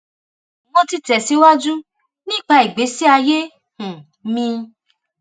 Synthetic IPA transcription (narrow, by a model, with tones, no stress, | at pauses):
wɔ̃˧ti˧tɛ˨si˨˦wa˦d͡ʒu˦ | nĩ˦˨k͡pa˧i˨ɡ͡be˨˦si˦a˧je˦ | hũ˨ | mĩ˧